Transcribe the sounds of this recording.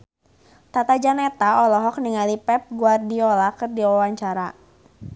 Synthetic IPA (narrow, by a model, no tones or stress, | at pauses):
t̪at̪ad͡ʒanɛt̪aɔlɔɦɔk̚niŋalipɛp̚ɡuardiɔlakɨrdiɔwaɲt͡ʃaɾa